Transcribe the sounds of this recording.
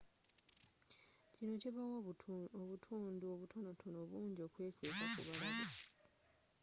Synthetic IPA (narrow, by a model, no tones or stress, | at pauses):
cino̞ciβawoβutʰuːnduoβutʰo̞no̞tʰono̞βuːɲɟio̞ːkwe̞ːkweːkakṵβalaβa